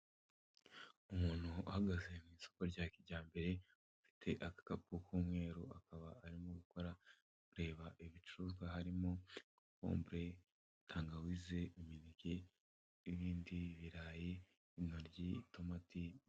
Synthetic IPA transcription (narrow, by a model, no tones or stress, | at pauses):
umuːn̥hua̰haɡaze̞mŋiːso̞̥ko̞ɾɟaːkiɟaːmbe̞ɾe̞ | ufi̥tʰe̞ʔakḁkap̚kukuːmŋe̞ːɾuakaβaːɾimoɡuko̞ɾa | kuɾe̞ːβaʔiβit͡ʃuɾuːzɡwaɦaɾimo̞ | ko̰ːmbɾe̞ | utʰaːŋɡawize̞iminike | iβiːndiβiɾaːje | inoɾɟitomati